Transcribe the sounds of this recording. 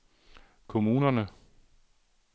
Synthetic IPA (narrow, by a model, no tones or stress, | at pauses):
kʰo̝muːnɐnə